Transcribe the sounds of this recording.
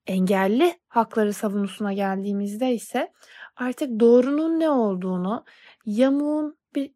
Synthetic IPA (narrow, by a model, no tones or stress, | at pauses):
ɛɲɟælʲːihaklˠaɾɯsavunusunaɟælʲd̪iːmizd̪ɛisɛ | aɾt̪ʰɯk̚d̪o̞ːɾununːɛo̞lˠd̪uːnu | jamuːnb̥iɾ